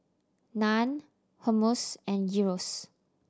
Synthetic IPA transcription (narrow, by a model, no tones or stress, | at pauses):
nãn | homosɛ̃njiɹos